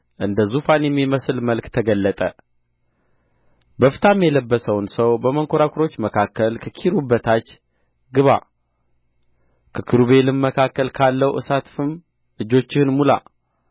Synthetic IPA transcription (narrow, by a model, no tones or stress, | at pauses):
ʔɨnd̪əzufanjɛmːiməsɨlməlkt̪ʰəɡəlːət̪ʼə | bəfɨt̪ʰamjɛləbːəsəwnsəwbəməŋkʰoɾakʰuɾo̞t͡ʃːməkʰakːəlkʰəkʰiɾubːət̪ʰat͡ʃː | ɡɨβa̰ | kʰəkʰɨɾuβe̞lɨmːəkʰakːəlkʰalːəwʔɨ̰sat̪fɨm | ɨd͡ʒo̞t͡ʃːɪhɨnmula̰